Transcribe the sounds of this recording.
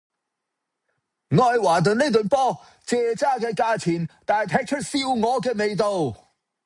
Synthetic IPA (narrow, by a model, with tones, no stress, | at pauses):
ŋɔː˨˧jwaː˨˩t̪ɵ˨nne˥t̪ɵ˨˧npɔː˥ | t͡sɛː˨˧t͡saː˥kɛː˧kaː˧t͡sʰiː˨˩nt̪aː˨jt̪ʰɛː˧k̚t͡ʃʰɵ˥t̚siː˧wŋɔː˨˧kɛː˧ne˨˧jt̪̬o˨w